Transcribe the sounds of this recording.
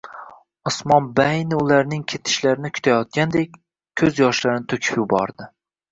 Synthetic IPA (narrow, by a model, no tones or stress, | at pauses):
ɒsmɒnbajnɪʊlaɾnɪŋkʲʰet̪ʰɪ̥ʃlaɾɪnɪkʲʰʊ̥t̪ʰajɒt̪̚kʲand̪ekʲ | kʰːɵzjɒʃlaɾɪnɪt̪ʰɵkʲʰɪ̥pjɪbɒ̰ɾd̪ɪ